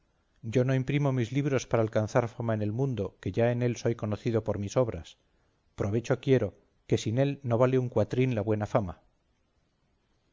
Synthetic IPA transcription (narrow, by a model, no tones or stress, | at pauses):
ɟ͡ʝo̞no̞impɾimo̞mizliβɾo̞spaɾaːlkanθaɾfamaene̞lmũnd̪o̞ke̞ʝae̞ne̞lso̞jko̞no̞θiðo̞po̞ɾmiso̞β̞ɾa̰s | pɾo̞βe̞t͡ʃo̞kje̞ɾo̞ | ke̞sine̞lno̞β̞aleuŋkwat̪ɾinlaβwe̞nafama